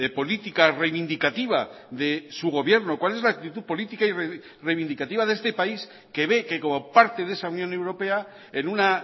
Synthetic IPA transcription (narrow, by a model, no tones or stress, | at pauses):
po̞lit̪ikarejβind̪ikat̪iβ̞a | ðe̞suɣ̞o̞βje̞ɾnokwale̞zlak̚t̪it̪uðpo̞lit̪ikaire | rejβind̪ikat̪iβaðe̞st̪e̞pais | ke̞βe̞keko̞mo̞paɾt̪e̞ðe̞saunjone̞wɾo̞pe̞a | enuna